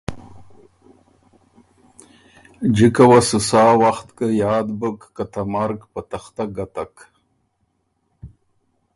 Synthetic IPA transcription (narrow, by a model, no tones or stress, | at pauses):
d͡ʒikawasusaːwaxt̪kəjaːd̪bəkːat̪amaɾkpat̪axt̪aɡat̪ak